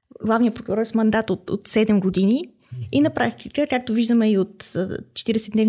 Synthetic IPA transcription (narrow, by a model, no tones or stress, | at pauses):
ɡlˠavnijəpɾokuɾɔɾsmɐnd̪at̪ot̪o̰t̪sɛd̪ɛmɡod̪ini | inɐpɾakt̚t̪i̥kəkak̚t̪oviʒd̪əmɛiot̪t͡ʃɛ̥t̪iɾɛsɛd̪nɛvn